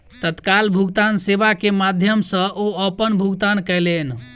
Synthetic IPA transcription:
t̪ət̪kalbʱuɡt̪ansebakemad̪ʱjəmsə̃ʔoəpənbʱuɡt̪ankəɦlen

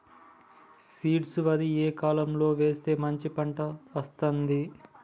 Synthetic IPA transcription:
siːʈsʋɐd̪ieːkaːlɐmlo̞ːʋe̞ːst̪e̞ːmɐɲt͡ʃipɐɳʈɐʋɐst̪ɐnd̪i

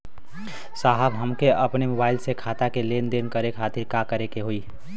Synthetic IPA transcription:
saɦəbɦəmkeəpnemʊbaːɪlsekʰaːt̪akelend̪enkəɾekʰaːt̪iɾkakəɾekeɦoi

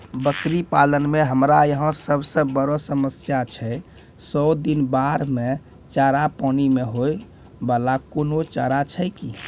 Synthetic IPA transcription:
bəkɾipalənmeɦəmɾajəɦə̃səbsə̃bəɾɔsəməsjat͡ʃʰɛ | sɔd̪inbaɾme | t͡ʃaɾapɔnimeɦoj | balakonot͡ʃa̰ɾat͡ʃʰɛki

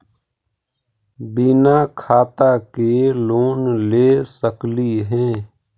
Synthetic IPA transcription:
binakʰaːt̪akeloːnleːsəkliɦɛ̃ː

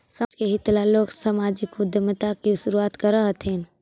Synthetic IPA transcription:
sad͡ʒkeɦit̪laloɡsamad͡ʒikmʊd̪jəmət̪akiʃuɾuat̪kəɾəɦət̪ʰɦin

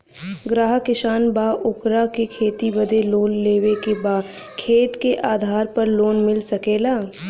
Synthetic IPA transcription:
ɡɾaːɦəkɪʃaːnbaːʔʊkɾakekʰeːt̪ibəd̪ʱeloːlleːʋekebaː | kʰeːt̪keʔaːd̪ʱaːɾpɐɾloːnmɪlsɐkeːlaː

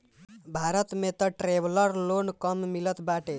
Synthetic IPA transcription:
bʱaɾʌt̪met̪ʌʈɾebʱlʌɾlonkʌmmilʌt̪baʈe

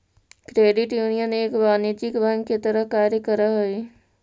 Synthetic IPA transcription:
kɾeːɖɪʈjuːnijəneːkʋaːnid͡ʒɪkbɐ̃ŋɡket̪əɾəɦkaːɾjəkəɾəɦoeː

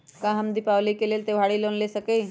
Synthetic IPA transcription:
kãɦəmd̪iːpaʋliːkelelt̪eʋ̤aɽiːlonlesəkej

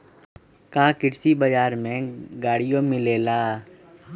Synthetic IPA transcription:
kaːkɪɽsibɐd͡ʒaːɾmẽɡaːɽijõmɪleːlaː

